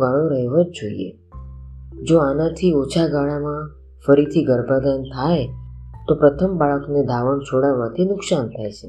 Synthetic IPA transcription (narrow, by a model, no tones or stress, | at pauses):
ɡaɭõɾəɦeʋod͡ʒd͡ʒoḭḛ | d͡ʒoanãt̪ʰiot͡ʃʰaɡaɭamã | fəɾit̪ʰiɡəɾbʱad̪ant̪ʰajt̪opɾət̪ʰəmbaɭəkned̪ʱaʋəɳt͡ʃʰoɽaʋãt̪ʰinʊksant̪ʰajt͡ʃʰe